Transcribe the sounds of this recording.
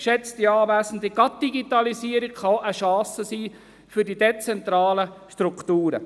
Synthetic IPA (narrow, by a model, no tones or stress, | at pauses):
ʃɛt͡std̥iɑːvæːsn̩diɡ̥ɑt̚d̥iɡitɑlisiːəɾikχɑʔəʃɑ̃ːsəsiː | fyɾdidet͡sɛntɾɑːləʃtɾuktuːɾə̰